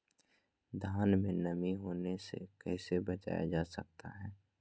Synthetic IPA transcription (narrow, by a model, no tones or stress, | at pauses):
d̪ʱaːnmẽnɐmiɦoːnesḛkɛːsebɐt͡ʃa̰ːja̰d͡ʒaːsɐ̰k̚t̪ʰa̰ɦɛː